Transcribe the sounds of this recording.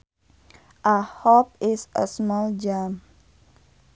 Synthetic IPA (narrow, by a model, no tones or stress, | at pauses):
ʔahɔp̚ɪsə̰smɔld͡ʒam